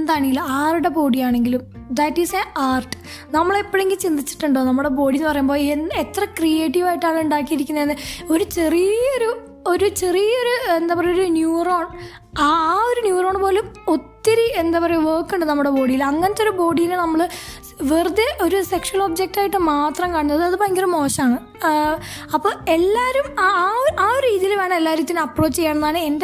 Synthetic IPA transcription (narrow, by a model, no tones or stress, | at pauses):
end̪aːɳiɡilːɐaːruɽe̞bo̞ːɽijaːɳe̞ŋɡilum | d̪ɐʈːisɐnaːrʈɨ̥ | nɐmːɐɭepːoɭeŋɡilt͡ɕind̪it͡ɕːi̥ʈːuɳɖoːnɐmːɨɽebo̞ːɽinːɨpɐrɐjumbo̞ːenet̪ːrɐkrijeːʈːiʋaːjʈːaːɭuɳɖaːkːijiɾikʲːunːɐenːɨo̞ɾut͡ɕe̞rijjɐoɾu | o̞ɾut͡ɕe̞rijo̞ɾuend̪aːpɐrɐjoɾunjuːroːɳ | aːoɾunjuːro̞ːɳɨpo̞ːlumot̪ːiɾiend̪aːpɐrɐejʋɐrkːɨɳɖɨnɐmːuɽebo̞ːɽijilɐŋːɐnet̪ːo̞ɾubo̞ːɽijilɨnɐmːɐɭɨ | ʋerud̪eʔo̞ɾuse̞kʂuɐlo̞ːbd͡ʑek̚ʈaːjiʈːɨmaːt̪rɐmkaːɳunːɐðɨɐðɨpoːjeŋɡilumo̞ːɕɐmaːɳɨ | ɐpːoːe̞lːaːɾumː | aːoɾuɾiːðijilʋe̞ːɳɐmelːaːɾiːt̪ːinɐpːro̞ːt͡ɕːt͡ɕejːaːɳɐnːðaːɳɨend̪e